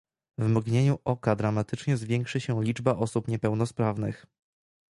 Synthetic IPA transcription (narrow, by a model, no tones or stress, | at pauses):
vmɡɲeɲuʔɔkad̪ɾamat̪ɘt͡ʂɲɛzvʲjɛŋkʂɘɕɛ̃lʲid͡ʐbaʔɔsupɲɛpɛwn̪ɔspɾavnɘx